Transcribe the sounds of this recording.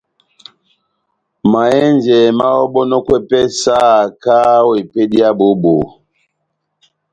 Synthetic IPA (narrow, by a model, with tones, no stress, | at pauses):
ma˨ɛ˦nd͡ʒɛ˨ma˦ɔ˦ɓɔ˦nɔ˦kwɛ˦pɛ˦sa˦˨ka˦we˨pe˦ɗi˦a˦ɓo˨˦ɓo˨